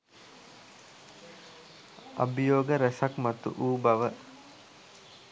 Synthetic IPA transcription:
ɐ̰bijoːɡəɾɛsakmat̪ṵʔuːbaʋə

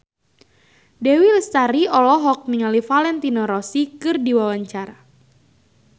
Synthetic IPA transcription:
dɛwilst̪aɾiɔlɔɦɔk̚niŋalifalɛnt̪inɔɾɔsikɨrdiwawaɲt͡ʃaɾa

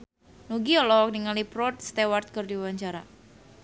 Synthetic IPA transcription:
nuɡiɔlɔk̚niŋalipɾɔt̪̚st̪ewart̪̚kɨrdiwaɲt͡ʃaɾa̰

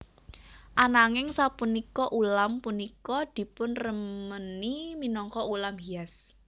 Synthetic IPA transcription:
ʔanaŋɪŋsapunikɔʔulampunikɔd̪̥i̤pʊnrəməniminɔŋkɔulamhias

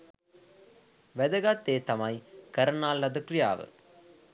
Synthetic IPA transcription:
ʋɛd̪ɐɡat̪ːeːt̪ɐmɐjkɐɾɐnaːlːɐd̪ɐkɾɪja̰ːʋɨ̰

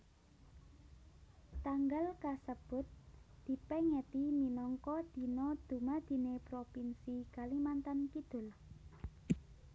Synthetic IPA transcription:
t̪aŋɡalkasəb̥ʊ̤t̪̚d̪̥i̤pɛŋɛt̪iminɔŋkɔd̪̥i̤nɔd̪̥ṳmad̪̥i̤nepɾopinsiɡ̥alimant̪ankid̪̥ʊ̤l

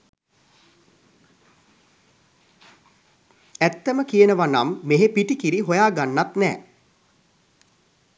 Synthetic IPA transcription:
æt̪ːəməkijənəʋanamːeɦepiʈikiɾiɦojaːɡanːat̪nɛ̰ː

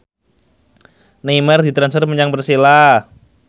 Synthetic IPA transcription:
nimərd̪it̪ɾansfərməɲaŋbərsila

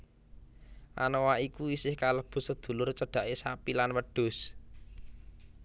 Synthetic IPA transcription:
ʔa̰nowaikuisɪhkaləb̥ʊ̤səd̪̥ṳlʊrt͡ʃəɖ̥a̤ʔesapilanwəɖ̥ʊ̤s

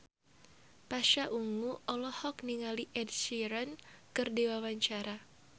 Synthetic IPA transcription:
paʃaʔuŋuʔɔlɔhɔk̚niŋaliʔɛdsiɾɔnkɨrdiwawaɲt͡ʃaɾa

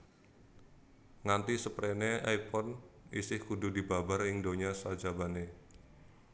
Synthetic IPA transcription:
ŋant̪isəpɾeneajpɔnisɪhkududibabarɪŋdoɲasad͡ʒabane

